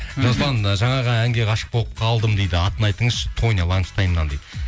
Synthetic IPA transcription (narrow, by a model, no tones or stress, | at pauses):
ʒɑzbˠɑnʒɑɴɑʁɑæŋɡʲe̞ʁʰɑʃə̥q̚boəp̚qʰɑlˠd̪əmd̪ejd̪ɪɑt̪ənɑjt̪əɴəzʃɪ̥t̪ʰo̞nʲɑlˠɑŋəst̪ɑjənɑnd̪ed̪ɪ